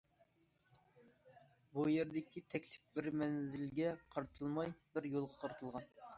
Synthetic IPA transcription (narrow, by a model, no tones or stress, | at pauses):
bujeɾd̪ɪkʲʰit̪ʰɛkʲlɪ̥p̚bɪɾmɛnzɪlɡʲɛqʰɑɾt̪ʰɨlˠmɑjbɪɾjolˠʁɑqʰɑɾt̪ʰɨlˠʁɑn